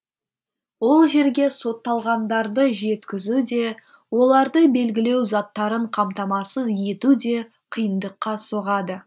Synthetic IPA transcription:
wo̞lˠʒe̞ɾɡʲe̞so̞t̪ːɑlˠʁɑnd̪ɑɾd̪əʒe̞t̪kʲɪzud̪e̞ | wo̞lˠɑɾd̪əbe̞lɡʲɪle̞wzɑt̪ːɑɾəɴqʰɑmt̪ɑmɑsəzje̞t̪ud̪e̞ | qʰəjənd̪əqːɑsoʁɑd̪ə

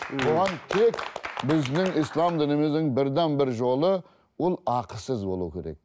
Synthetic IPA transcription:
boʁɑnt̪ʰe̞kbɪznɪŋijslˠɑmd̪ɪnemezd̪ɪŋbɪɾd̪ænbɪɾʒo̞lˠə | wo̞lˠɑqəsəzbo̞lˠuəkʲʰe̞ɾe̞̰k̚

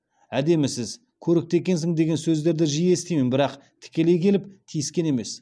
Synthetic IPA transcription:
æd̪e̞mɪsɪz | kʲʰɵɾɪk̚t̪e̞kʲe̞ns̬ɪŋd̪e̞ɡʲe̞nsɵzd̪e̞ɾd̪ɪʒijest̪ejmɪnbɪɾɑq | t̪ʰɪ̥kʲe̞le̞jkʲʰe̞lɪp̚t̪ʰijɪskʲe̞ne̞me̞s

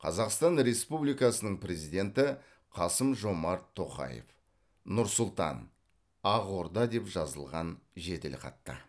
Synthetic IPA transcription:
qʰɑzɑqst̪ɑnɾe̞spublijkɑsənəɴpɾe̞zijd̪ʲe̞nt̪ɪ | qʰɑsəmʒo̞mɑɾt̪ʰːo̞qɑ̰jḛf | nʊɾsʊlˠt̪ɑ̰n | ɑʁo̞ɾd̪ɑd̪e̞pʒɑzəlˠʁɑnʒed̪elʲqɑ̰t̪ːə̰

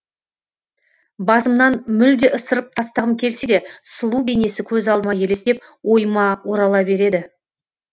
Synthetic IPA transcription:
bɑzəmnɑnmʏld̪e̞ʔəsəɾəp̚t̪ʰɑst̪ɑʁəmkʲʰe̞lsed̪e̞səlˠuwbene̞sɪkʲʰɵzɑlˠmɑje̞le̞sep̚ | wo̞jmɑwo̞ɾɑlˠɑbe̞ɾe̞d̪ɪ

